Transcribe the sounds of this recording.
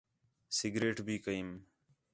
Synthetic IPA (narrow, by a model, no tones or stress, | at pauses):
sɪɡɾeːʈbʱiːkəiːm